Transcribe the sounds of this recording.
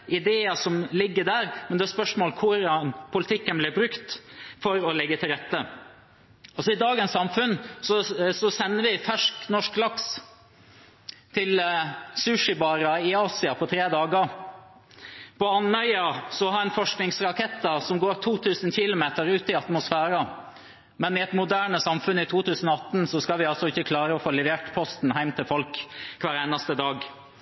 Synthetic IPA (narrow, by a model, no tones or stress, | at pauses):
ʔɪd̪eːɑsɔmlɪɡːəɖæːɾmɛnd̪ɛæɾspœʂmoːlkʰʊɾɑnpʰʊlɪt̪ʰɪkːənblɪbɾʉkt̪fɔɾɔlɛɡːət̪ʰɪlɾɛt̪ːə | ɔsɔɪd̪ɑːɡənsɑmfʉnsɔsɔsɛnːəʋɪfæʂknɔʂklɑks | t̪ʰɪlsʉʂɪbɑːɾɑɪɑːsɪɑpʰɔt̪ʰɾeːd̪ɑːɡə | pʰɔɑnœʏɑsɔhɑɾɛnfɔʂknɪŋsɾɑkʰɛt̪ːɑsɔmɡoːɾt̪ʰuːt̪ʰʉːsənçɪlʊmeːt̪əɾʉːt̪ɪɑt̪mʊsfæːɾɑ | mɛnɪɛt̪mʊd̪æːɳəsɑmfʉnɪt̪ʰuːt̪ʰʉːsən̩ɔɑt̪ːn̩sɔskɑlʋɪɑlsɔɪçːəkʰlɑːɾəɔfoːlɛʋeːʈpʰɔst̪n̩ɦæɪmt̪ʰɪlfɔlkkʰʋæːɾeːnɑst̪əd̪ɑːɡ